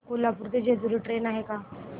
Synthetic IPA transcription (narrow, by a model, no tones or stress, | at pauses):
kolapuɾt̪ed͡ʒed̪uɾiʈɾeːnaɦekaː